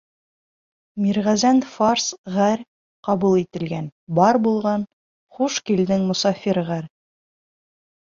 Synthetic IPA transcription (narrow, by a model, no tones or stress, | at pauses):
miɾʁæzænfarsʁæɾ | qɑβulˠit̪ɘ̆lɡænbɑɾbulˠʁɑn | χuʃkild̪ɘŋmŏsɑfʲiɾʁæɾ